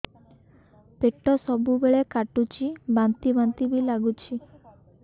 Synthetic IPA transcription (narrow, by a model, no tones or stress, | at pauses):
peʈɔsɔbubeɭekaʈut͡ʃʰibant̪ibant̪ibilaɡut͡ʃʰi